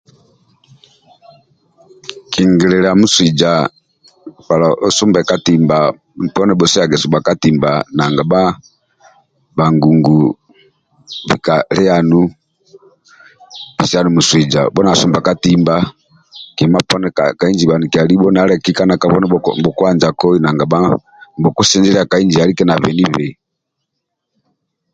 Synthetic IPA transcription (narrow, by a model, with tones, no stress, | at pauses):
ki˨ŋɡi˨lɛ˨ɾa˨mu˦swi˨d͡ʒa˨ | pa˨la˨ɔsu˦mbɛ˨ka˦ti˨mba˨ | pɔ˦nɛ˨bɔ˨si˦a˨ɡɛ˨su˨mba˨ka˦ti˨mba˨na˨ŋɡa˨ba˦ | ba˨ŋɡu˨ŋɡu˨ | βḭ˨kalɛ˦anu˦ | vi˨sɛ˦a˦nu˨mu˨swi˨d͡ʒa̰˨bɔ˦na˨su˦mba˨ka˦timba˦ | ki˨ɛ˨ma˦pɔ˦nɛkaka˨i˦nd͡ʒi˨ba˨ni˨ki˨a˨li˦ɓɔ˦na˦ɾɛ˦ki˦ka˦na˨ka˨βɔ˦nɛbɔ˨kwa˦nd͡ʒa˨kɔ˦ina˨ŋɡa˨ɓa˦ | bɔ˨ku˦sɛ˦nd͡ʒɛ˦ɾɛ˦a˨ka˨ind͡ʒia˨li˦kɛ˦na˨βɛ˨ni˦βɛ˨